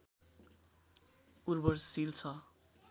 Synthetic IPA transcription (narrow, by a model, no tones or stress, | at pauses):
urbʌrsilt͡sʰʌ